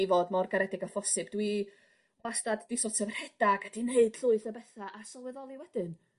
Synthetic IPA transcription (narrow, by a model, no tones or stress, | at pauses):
vɔdmɔrɡaɾɛdɪɡafɔsɨbd̥wi | asdaddisɔtʰəvr̥ɛd̥aɡadineɨd̥ɬʊɨθəbɛθaʔasɔlˠwɛðɔlˠiwɛd̥ɨn